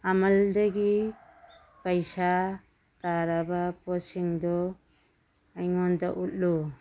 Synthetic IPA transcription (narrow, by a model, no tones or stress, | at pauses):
amaldeɡi | pajsa | t̪aɾabapɔsiŋd̪ɔ | ajŋɔnd̪ɔʔut̪̚lu